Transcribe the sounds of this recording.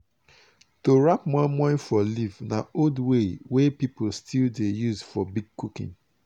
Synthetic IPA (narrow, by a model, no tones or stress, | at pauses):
toɹapmɔ̃mɔ̃fɔlivnaodwewepipolstʰildejuzfɔbiɡ̚kʰukḭ̃n